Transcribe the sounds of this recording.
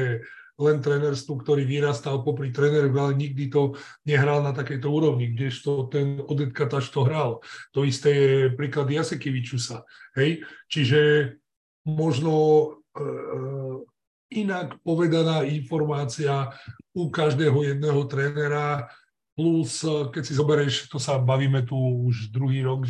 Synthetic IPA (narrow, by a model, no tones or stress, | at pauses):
ɛ | lɛnt̪ɾɛnɛɾst̪ukt̪ɔɾiːʋiɾaːst̪alpɔpɾit̪ɾɛnɛɾɔɣalɛɲiɡ̚d̪it̪ɔ | ɲɛɦɾaːlnat̪akɛjt̪ɔuːɾɔʊɲiɡɟɛʃt̪ɔt̪ɛnɔd̪ɛt̪kat̪aʃt̪ɔɦɾalt̪ɔist̪ɛːjɛpɾiːklad̪ijasɛkiʋit͡ʃusaɦɛjt͡ʃiʒɛ | mɔʒnɔ | inakpɔʋɛd̪anaːinfɔɾmaːt͡siaukaʒd̪ɛːɦɔjɛd̪nɛːɦɔt̪ɾɛːnɛɾa | pluskɛcsizɔbɛɾɛʃt̪ɔsabaʋiːmɛt̪uuʒd̪ɾuɦiːɾɔɡ